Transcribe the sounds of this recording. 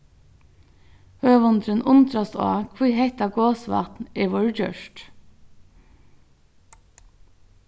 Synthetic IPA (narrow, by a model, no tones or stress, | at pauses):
høːʋɔnd̪ɾənʔʊnt̪ɾɑst̪o̰ːkʰʋuːheɪt̪ɑɡoːsʋɑ̰t̪nɛːʋoːɹd͡ʒœ̰ʃʈ